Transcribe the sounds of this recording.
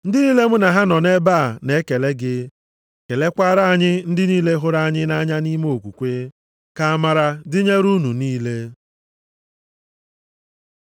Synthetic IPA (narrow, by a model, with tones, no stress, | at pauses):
n̩˦dɪ˦niː˦le˦m̩˦na˨ɦa˦nɔ˨ne˦ba˦˨ne˦ke˨le˦ɡɪ˦ | ke˨le˦kʷa˦ɾa˦a˨ɲɪ˦n̩˦dɪ˦niː˦le˦ɦʊ˦ɾa˦a˦ɲɪ˦na˦ɲa˦ni˦me˦o˨kʷu˨kʷe˦ | ka˦a˦ma˦ɾa˦dɪ˦ɲe˦ɾu˦nu˨niː˦le˦